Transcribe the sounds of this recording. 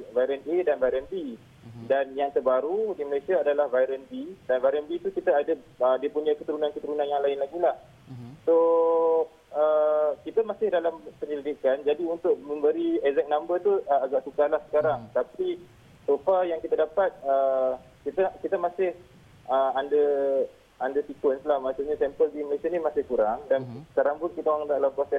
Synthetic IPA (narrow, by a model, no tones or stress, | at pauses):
vajɾənedanvajɾənbi | danjaŋt̪ərbaɾudiməlasiaːdalahvajɾənbidanvajɾənbit̪ukit̪aːda | ədiəpuɲakət̪əɾunankət̪əɾunanjaŋlaɪnlaɡilah | so | əkit̪amasɪhdalampəɲəlidikand͡ʒadiunt̪ʊʔ̚mə̃mbəɾiɛzɛk̚nambət̪uəaɡaʔsukalahsə̥kaɾaŋt̪api | sofajaŋkit̪adapat̪̚ə | kit̪akit̪amasɪh | əmandə | andəsikwənslahmasaɲasɛmpəldiməlasianimasɪhkuɾaŋdansə̥kaɾaŋbʊt̪kit̪aoaŋd̪aʔlaposɛs